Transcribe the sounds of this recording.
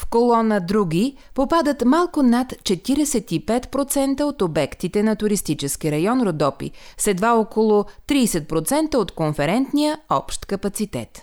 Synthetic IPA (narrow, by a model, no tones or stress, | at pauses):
fkolˠɔnəd̪ɾuɡʲi | popad̪ət̪malˠkʊnat̪t͡ʃɛt̪iɾɛsɛt̪ipɛt̪pɾot̪sɛnt̪əot̪obɛkt̪it̪ɛnɐt̪ʊɾist̪it͡ʃɛskiɾɐjɔnɾod̪ɔpḭsɛd̪vaɔkolˠʊt̪ɾiːsɛt̪̚pɾot̪sɛnt̪əot̪konfɛɾɛnt̪nijəɔpʃt̪kɐpɐt̪sit̪ɛ̰t̪